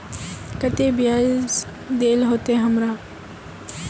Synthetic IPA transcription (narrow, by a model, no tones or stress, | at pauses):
kət̪eːbja | d̪eːlɦoːt̪eɦɐmɾaː